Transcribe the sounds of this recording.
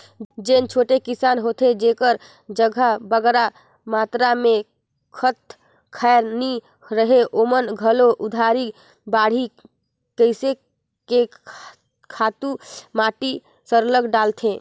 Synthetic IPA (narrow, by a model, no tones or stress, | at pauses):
d͡ʒent͡ʃʰoʈekisanɦot̪ʰed͡ʒekəɾ | d͡ʒəɡʱabəɡɾa | mat̪ɾame | kʰət̪̚ | kʰaeɾni | ɾəɦeʔomənɡʱəloʔud̪ʱaɾi | baɽ̤i | kəɪse | ke | kʰat̪umaʈi | səɾləɡɖalt̪ʰẽ